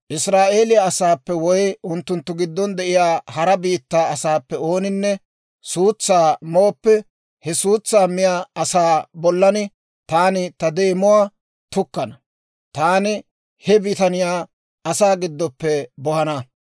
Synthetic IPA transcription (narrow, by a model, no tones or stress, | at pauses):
ʔɪsɾaːʔe̞ːlɪjɐːsaːpːɛwɔjʊnt̪ːʊnt̪ːʊɡɪd̪ːɔnd̪ɛʔɪjaːhɐɾɐbiːt̪ːaːɐsaːpːɛo̞ːnɪnːɛ | suːt͡sːaːmoːpːɛ | hɛsuːt͡sːaːmɪjaːɐsaːbɔlːɐnɪ | t̪aːnɪt̪ɐd̪e̞ːmʊwaː | t̪ʊkːɐnɐ | t̪aːnɪ | hɛbɪt̪ɐnɪjaː | ɐsaːɡɪd̪ːɔpːɛbɔhɐnɐ